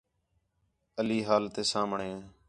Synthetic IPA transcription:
əliːɦaːlt̪eːsaːmɳẽː

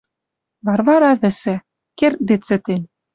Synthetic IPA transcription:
βɑrβɑɾɑβɘ̆sæ̆ | kert̪̚d̪et͡sɘ̆t̪enʲ

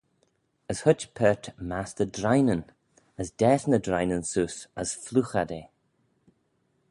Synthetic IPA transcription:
əshʊt͡ʃpʰɛt̪masd̪ədɾajnən | əsd̪̥ɛːsnəd̪ɾajnənsuːsəsfluxad̪eː

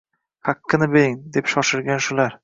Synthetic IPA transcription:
hɑqʰːɨnɪbeɾɪŋd̪e̞pʃɒʃɪɾɡʲanʃʊlaɾ

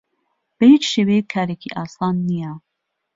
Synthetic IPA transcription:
b̥ɐhiːt͡ʃʃeːwejekʰːaːɾekʰiʔɑːsɑːnːija

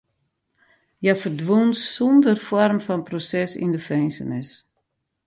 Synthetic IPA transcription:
jafərdwunsɔndərfɔrmfɔnprosɛsḭndəfɛjnsə̰nɪs

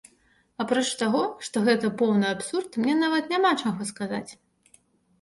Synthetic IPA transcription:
apɾɔt͡ʂt̪aɣɔʂt̪ɔɣɛt̪ɐpɔwnɨjapsurt̪mnʲɛnavɐt̪nʲamat͡ʂaɣɔskaza̰t͡sʲ

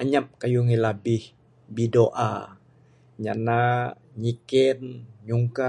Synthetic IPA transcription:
aɲap̚kajuŋilabɪh | bidoʔa̰ | ɲana | ɲikɛnɲuŋka

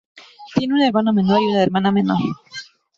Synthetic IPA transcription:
t̪jeneunaeɾmanamenoɾiunaeɾmanamenoɾ

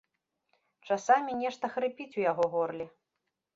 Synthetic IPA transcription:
t͡ʂasamʲinʲɛʂt̪ɐxɾɨpʲit͡sʲujaɣɔɣɔrlʲi

